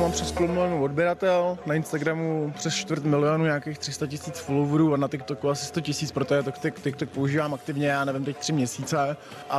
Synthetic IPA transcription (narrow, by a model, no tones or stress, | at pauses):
maːmprɛskolomɪlɪonuːodbjɛɾat̪ɛlnaɪnst̪aɡɾamupr̥ɛst͡ʃt̪vɾt̪mɪlɪonuːɲaːkeːxt̪r̥ɪst̪acɪsiːt͡sfolovuɾuːanat̪ɪk̚t̪okuasɪ̥st̪o̞cɪsiːt͡spɾot̪oɛt̪okt̪ɪkt̪ɪk̚t̪ok̚po̞uʒiːvaːmak̚t̪ɪvɲɛjaːnɛvɪmt̪ɛc̚t̪r̝̥ɪmɲɛsiːt͡sɛ | ʔa